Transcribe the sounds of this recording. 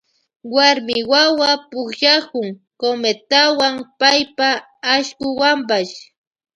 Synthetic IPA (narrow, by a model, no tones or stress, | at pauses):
waɾmɪwawapʊkʃakʊŋ | komet̪awaŋpajpaː | ʃkʊwampaʃ